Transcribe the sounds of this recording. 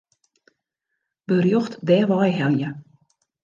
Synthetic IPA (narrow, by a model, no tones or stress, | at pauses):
b̥ərjoxtdɛːʋɑjɦɛljə